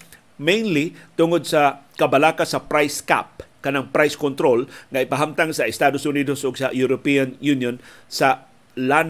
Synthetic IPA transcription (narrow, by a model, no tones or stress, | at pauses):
mẽjnlit̪ʊŋod̪̚sakabalaːkasapɾajska̰p̚kɐnaŋpɾajskont̪ɾolŋaɪpaɦamt̪aŋsaɪst̪ad̪osʊnid̪osʔʊɡsajuɾopianjunjonsa | lan